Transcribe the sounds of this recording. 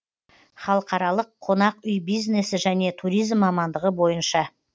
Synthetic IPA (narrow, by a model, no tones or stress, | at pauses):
χɑlˠəqɑɾɑlˠəqʰːo̞nɑqʏjbijzne̞sɪʒæne̞t̪ʰuɾijzmːɑmɑnd̪əʁəbo̞jənʃɑ